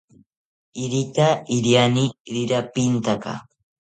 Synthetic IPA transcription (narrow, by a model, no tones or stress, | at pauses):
ɪɾɪt̪aɪɾjanɪɾɪɾapɪnt̪aka̰